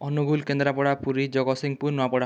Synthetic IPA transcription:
ɔnuɡulkend̪ɾapɔɽapuɾid͡ʒɔɡɔsiŋpuɾnoapɔɽa

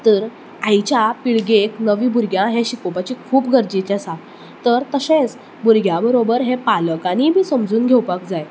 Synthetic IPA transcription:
t̪əɾ | ajt͡ɕjapiɭɡeknəʋiːbʱuɾɡjãɦɛ̃ɕikopat͡ɕiːkʰuːpɡʱəɾd͡ʑit͡ɕ̪asa | t̪əɾt̪əsẽt͡s | buɾɡʱjabəɾobəɾɦɛ̃paləkaniːbʱiːsəmd͡zuːnɡʱewpakd͡zaj

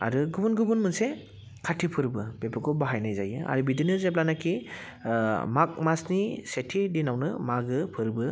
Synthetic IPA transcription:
a̰ɾɯɡɯbunɡɯbunmɯnse | kʰatʰipʰɯɾbɯbepʰɯkʰɔbaɦajnajzajɯa̰ɾɯbidinɯzep̬̚lanakʰi | mak̚masnisetʰidinawnɯmaɡɯpʰɯɾbɯ

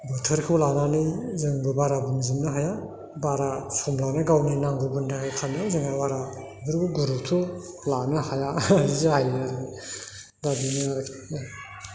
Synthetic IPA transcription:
bɯtʰɯɾkʰɯwlananɯzɯŋbɯbaɾabɯnzimnɯɦaja | baɾasɔmlanaɡawnɯjnaŋbɯbuntʰaajkʰanjazɯŋawaɾa | bɯɾbuɡuɾutʰu | lanɯhajaizihajɾ | dabinɯaɾkʰ

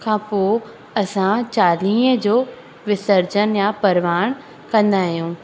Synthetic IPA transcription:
kʰãːpoː | ɐsãt͡ɕaːlĩːəd͡ʑoː | ʋɪsəɾd͡ʑənjapɐɾʋaːɽ̃ | kɐ̃nd̪aːɦijũː

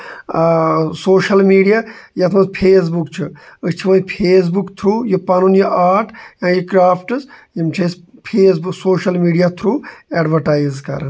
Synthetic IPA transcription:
soːʃɐlmiːɖijajɐt̪ʰmɐspʰeːs̬bukt͡ʃʰɨɨt͡ʃʰiʋɐ̃ːipʰeːs̬bukt̪ʰɾuːjupɐnunjɐʔaːɾʈʰjãːjikɾaːpʰʈɨsjimt͡ʃʰɐs | pʰeːs̬buksoːʃɐlmiːɖijat̪ʰɾuːeɖʋɐɾʈaːizkɐ̰ɾɐn

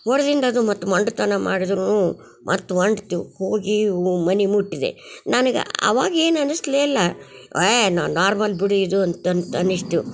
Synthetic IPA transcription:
ɦɔɾɐd̪ind̪ɐːd̪umɐt̪ːuʋɐɳɖt̪ɐnɐmaːɽid̪ɾunuː | mʔɐ̰t̪ːuɐɳɖt̪uhoːɡimɐnimuʈːid̪ḛnɐnɐɡḛɐ̰ʋaːɡɐe̞ːnɐnusleːlːɐenaːnaːɾmɐlbiɽid̪uɐnt̪ɐnt̪ɐniʂʈu

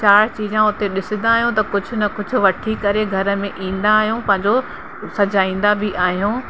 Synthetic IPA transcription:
t͡ɕaːɽ̤t͡ɕiːd͡ʑãʊt̪eɗɪsɪ̃nd̪aːɦijũt̪ɐkʊd͡ʑʱʊ̆nɐkʊd͡ʑʱʊ̆ʋɐʈʰikɐɾeɡʱɐɾə̆mẽʔĩːn̆d̪aːɦijũpɐ̃ɦɪ̃ɲd͡ʑo | sɐd͡ʑaːĩːn̆d̪abɪʔaːɦijũː

